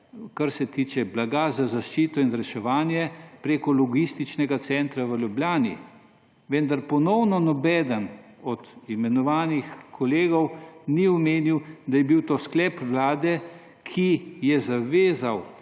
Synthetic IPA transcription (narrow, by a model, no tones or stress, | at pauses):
kaɾsɛt̪it͡ʃɛblaɡazazaʃt͡ʃiːt̪ɔinɾɛʃɛʋaːnjɛpɾeːkɔlɔɡist̪it͡ʃnɛɡat̪sɛnt̪ɾaʋəljubljaːnḭ | ʋend̪aɾpɔnɔwnɔnɔbɛːd̪ən | ɔd̪imɛnɔʋaːnixkʰɔleːɡɔwniɔmeːniwd̪ajɛbiwt̪osklɛːpʋlaːd̪ɛ | kʰijɛzaʋeːzaw